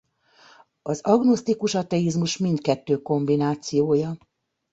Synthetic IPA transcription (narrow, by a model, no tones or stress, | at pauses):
ɒzɒɡno̞st̪ikuʃɒt̪ɛizmuʃmint̪kɛt̪ːøːko̞mbinaːt̪sijoːjɒ